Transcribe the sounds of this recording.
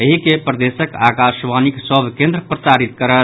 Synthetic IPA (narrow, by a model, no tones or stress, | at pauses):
əɦikepɾəd̪esəkakaʃʋaniksəbʱkẽnd̪ɾəpɾəsaɾit̪kəɾət̪